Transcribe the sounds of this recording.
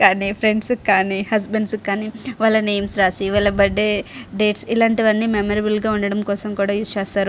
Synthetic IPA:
kaːnipʰɾeɳɖskaːnihɐs̬beɳɖskaːniʋɐlːɐneːmsɾaːsiʋɐlɐbɐɖːeɖeːʈsilaːɳʈiʋɐnːiːmemɐɾibulɡaːuɳɖɐɽɐmkɔːsɐmkuːɽaːjuːst͡ʃɛːst̪aːɾu

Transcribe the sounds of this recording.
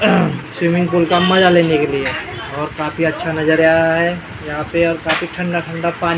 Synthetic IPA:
swimɪ̃ŋɡpuːlkamɐd͡ʒaleːnekelie | ɔːɾkaːpiɐtːʃʰanɐd͡ʒəɾaːɾaɦɛ | jɐɦãpeɔːɾkaːfiʈʰə̃ɳɖaʈʰə̃ɳɖapaːn

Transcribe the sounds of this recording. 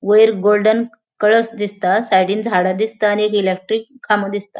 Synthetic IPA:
ʋəjɾɡolɖən | kəɭəsd̪ist̪asajɽiːnd͡zʱaɽad̪ist̪aːniek̬ilek̚ʈɾikʰːaməd̪ist̪a

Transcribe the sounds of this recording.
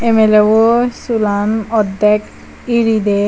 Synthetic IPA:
emelewosulanɔd̪ːek | iɾid̪e

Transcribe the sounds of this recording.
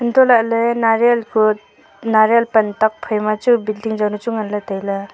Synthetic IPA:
intɔlalɯnaɾelkʰu | naɾelpɐntak̚pʰajmat͡ʃubildiŋd͡ʒawnut͡ʃuŋanlatajla

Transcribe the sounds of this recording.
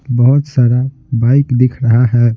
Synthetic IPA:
bəɦut̪saːɾa | baɪkd̪ɪkʰɾəɦaɦɛ

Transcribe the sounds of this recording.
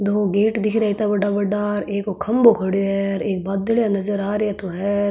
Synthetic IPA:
d̪oːɡeːʈd̪ɪkʰɾɛit̪ɐbɐɖabɐɖaːɾeːkokʰɐmbokʰɐɽɦɛɾeːk̚baːd̪əljãnɐzəɾaːɾat̪oɦɛːɾ

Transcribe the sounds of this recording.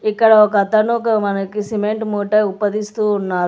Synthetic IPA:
ikːɐɽɐɔkɐt̪ɐnukɐmɐnɐkisimeɳʈmuːʈɐjupːɐd̪ist̪uːnːaː

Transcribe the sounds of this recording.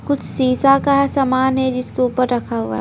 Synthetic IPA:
kʊt͡ʃʰsiːsakaɦɛsaːmaːnɦɛd͡ʒɪskeuːpəɾːɐkʰaɦua̰ɦ

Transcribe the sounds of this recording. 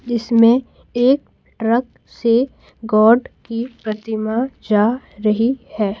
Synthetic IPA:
d͡ʒɪsmẽ | eːk̚ | ʈɾək̚ | se | ɡɔːɖkipɾɐt̪ɪmad͡ʒaːɾɐɦihɛː

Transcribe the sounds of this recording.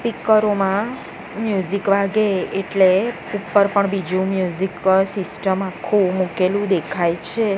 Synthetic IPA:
pikːəɾomã | mjuzikʋaɡeeʈle | upːəɾpəɳbid͡ʒũmjuziksisʈəmakʰumukelũd̪ekʰajt͡ʃʰe

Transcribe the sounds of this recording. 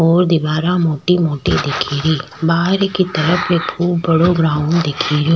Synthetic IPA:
ɔːɾd̪ɪbaːɾamoːʈimoːʈed̪ɪkʰiːɾiː | baːɦɾkit̪ɐɾəpʰekʰuːbːɐɽoɡɾãːʊnd̪ɪkʰiːɾo

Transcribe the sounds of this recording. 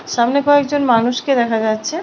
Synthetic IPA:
ʃamnekɔekd͡ʑonmanuʃked̪ɛkʰad͡ʑatːɕʰe

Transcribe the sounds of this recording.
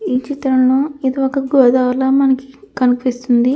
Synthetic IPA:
iːt͡ʃit̪ɾɐmloːid̪iɔkɐɡɔːd̪aːʋlɐmɐnɐki̥kɐnukʋist̪und̪i

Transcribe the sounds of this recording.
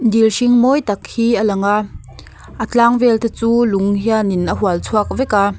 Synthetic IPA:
d̪ilʃiŋmɔjt̪ɐk̚hiːalɐŋa | ʔət͡ɬaːŋvɛlt̪ʰet͡suːluŋɦianinʔəɦualt͡sʰuak̚vɛka

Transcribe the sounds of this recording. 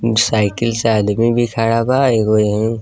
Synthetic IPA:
saːɪkɪlseaːd̪mibʱikʰaːɽabaekojəɦĩ

